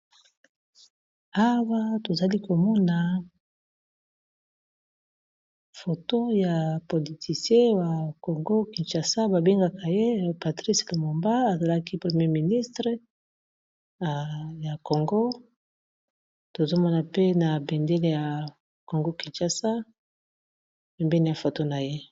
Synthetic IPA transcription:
a˦wa˦to˨za˨li˦ko˨mɔ˦na˨ | fo˨to˦ja˨po˨li˨tʰi˨sjɛ˦wa˨ko˨ŋɡo˦ki˨nt͡ʃa˨sa˦ba˨be˦ŋɡa˨ka˨je˦pa˨tʁi˦slo˨mo˨mba˦a˨za˨la˦ki˦pʁe˨mje˦mi˨ni˦stʁə˦˨ | ja˨ko˨ŋɡo˦ | to˨zo˦mɔ˦na˨pe˦na˨bɛ˨nde˦le˨ja˨ | ko˨ŋɡo˦ki˨nt͡ʃa˨sa˦ | pɛ˨mbɛ˦ni˨ja˨fo˨to˦na˨je˦

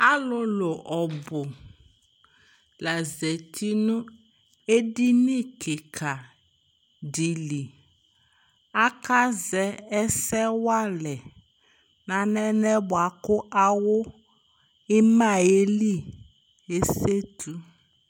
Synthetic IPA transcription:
a˦lʊ˦lo˨ʔɔ˨bʊ˨ | la˨zɛ˨t̪ʰi˦nʊ̃˦ | e˦di˦nĩ˦kʰe˨kʰa˨ | di˨li˨ | a˦ka˦zɛ˦ɛ˦sɛ˦wa˦lɛ˨ | nã˨nɛ˦nɛ˦bʊ˨a˨kʊ˦ʔa˦wʊ˦ | ɪ˦mã˦˨e˦li˦˨ | e˦se˦t̪ʰu˦

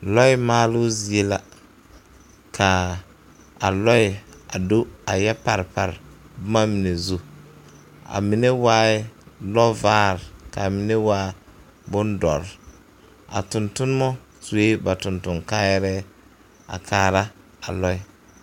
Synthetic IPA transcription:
lɔ˦i˦maː˦lʊ˦zi˨e˦la˨ | kʰa˨ | a˨lɔ˦ɪ˨a˨do˦a˨jɛ˦pa˨ɾpa̰˨ɾ | bʊ˦ma˦mi˨ne˨zu˦ | a̰˨mi˨ne˦waː˦lɔ˦vaː˦ɾka˨mi˨ne˦waː˦ | bʊ˦ndɔ̰˨ɾ | a̰˨tʊ˨ntʊ˦n˦mɔ˦ | su˨e˦ba˨tʊ˨ntʊ˨ŋka˦jɛ˦ɾɛ˦ | a̰˨kʰaː˨ɾa˦ | a˨lɔ˦i˦

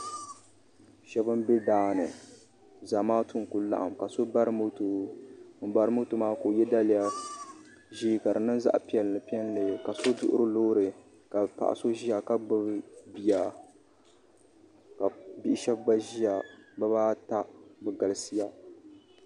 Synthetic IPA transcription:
ʃɛ˦bɨ˦mbɛ˦daː˨˦nɨ˨ | za˨maː˦tʊ˦ŋku˦la̰˦ʔa̰˨mka˨so˦ba˦ɾɨ˦mo˦to˨m̩˨ba˨ɾɨ˦mo˦to˨maː˦ko˨jɛ˦da˦lɪ˨ja˦ | ʒiː˦ka˨ɾɨ˨nɨ˦nza̰˦ʔpi˨ɛ˨lnɨ˨pi˦ɛ˦n˦lɨ˨ka˨so˦dʊ˦ʔʊ̰˦ɾɨ˦loː˦ɾɨ˨ | ka˨pa̰˨ʔa̰˨so˦ʒi˦a˨ka˦ɡ͡bɨ˦bbi˦ja˨ | ka˨bi˦ʔɪ˦ʃɛ˦b̚ɡ͡ba˦ʒi˦ja˨ba˦βaː˦ta˦bɛ˨ɡa˨lsi˦ja˦

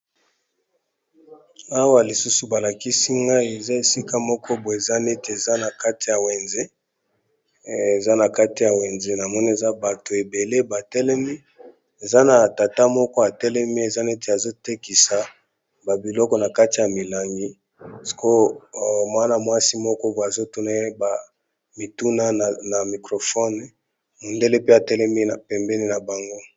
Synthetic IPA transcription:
a˦wa˦li˨su˦su˨ba˨la˨ki˦si˦ŋɡa˦i˨e˨za˦e˨si˦ka˦mɔ˦kɔ˦bo˨e˨za˦ne˦te˨e˨za˦na˨ka˦ti˨ja˨we˨nze˦ | e˨za˦na˨ka˦ti˨ja˨we˨nze˦na˨mɔ˦ni˦e˨za˦ba˨to˨e˨be˨le˦ba˨tɛ˦lɛ˦mi˦ | e˨za˦na˨ta˨ta˦mɔ˦kɔ˦a˨tɛ˦lɛ˦mi˦e˨za˦ne˦te˨a˨zo˦te˦ki˨sa˨ | ba˨bi˨lɔ˦kɔ˦na˨ka˦ti˨ja˨mi˨la˨ŋɡi˦ | si̥˨ko˦˨mwa˦na˨mwa˦si˦mɔ˦kɔ˦ba˨zo˦tu˦na˦ba˨ | mi˨tu˦na˦˨na˨mi˨kʁo˨fɔ˦n˨ | mo˨nde˦le˦pe˦a˨tɛ˦lɛ˦mi˦na˨pɛ˨mbɛ˦ni˦na˨ba˨ŋɡo˦

